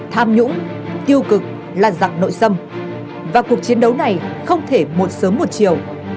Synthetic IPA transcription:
t̪ʰaː˧mɲʊ̰˧˥ŋ͡m | t̪i˧əwkɨ˨˩k̚ | laː˨˩za˨˩k̚no̰˧˨jsə˧m | vaː˨˩ku˨˩ək̚t͡ɕi˨˦ənɗə˨˦wna˨˩jxə˧wŋ͡mt̪ʰe˧˩mo˨˩t̚səː˨˦mːo˨˩t̚t͡ɕi˨˩əw

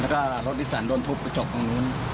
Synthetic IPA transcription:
lɛː˦˧˩kɔː˧˩ɾo˦t̪̚ʔi˦˧˥saː˩˦ndɔː˧˨nt̪ʰo˦˥p̚ka˧˥t͡ɕɔ˨˩kːɔː˧ŋu˧˥˨n

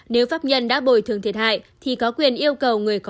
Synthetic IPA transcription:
ne˨˦wfaː˦˥p̚ɲə˧nɗa̰ː˧˥ɓo˧˩jt̪ɨ˨˩əŋt̪ʰi˨˩t̚ha̰ː˧˨jt̪ʰi˨˩kɔ˨˦kwi˨˩ənʔi˧əwkə˨˩wŋɨ˨˩əjkɔ˨

